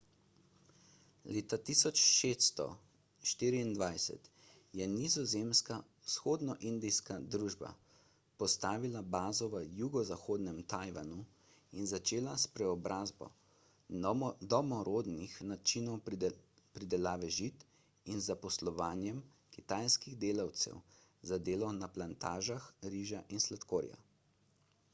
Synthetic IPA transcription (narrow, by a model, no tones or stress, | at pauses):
leːt̪at̪iːsɔt͡ʃʃeːsst̪ɔ̰ | ʃt̪iːɾiːnd̪ʋajsɛ̰t̪ | jɛnizɔzemska | wsxoːd̪nɔʔind̪ijskad̪ɾuːʒba̰ | pɔst̪aːʋilabaːzɔʋəjuɡɔzaxoːd̪nɛmt̪ajʋa̰nu | inzat͡ʃeːlaspɾɛɔbɾʔaːzbɔ̰ | d̪ɔmɔɾoːd̪nixnat͡ʃinɔw | pɾid̪ɛlaːʋɛʒit̪ | inzapɔslɔʋaːnjɛm | kit̪aːjskiɣd̪eːlawt̪sɛ̰w | zad̪eːlɔnaplant̪aːʒaxɾiːʒaʔinslat̪koːɾja̰